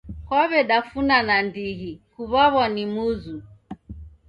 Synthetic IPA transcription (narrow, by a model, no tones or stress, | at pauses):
kwaβɛɗafunanandiɦikuβaβanimuzu